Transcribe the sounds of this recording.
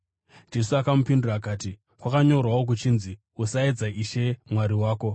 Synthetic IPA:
d͡ʒe̞suakamupinduraːkaːti | kwakaɲo̞rwawok̬ut͡ʃinzi | usaed͡zaiʃe̞mwaɾiwaːko̞

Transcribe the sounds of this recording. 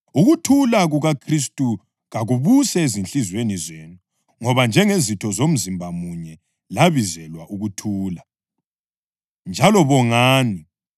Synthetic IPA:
uɣutʰulaɣuɣakʰris̬tʼu | ɣaɣuβusɛezinɬizwenizenu | ŋɔβand͡ʒʱɛŋezitʰɔzom̩zimbʱamuɲɛ | laβizɛlwaʔuɣutʰuːla | nd͡ʒʱalɔβɔŋaːni

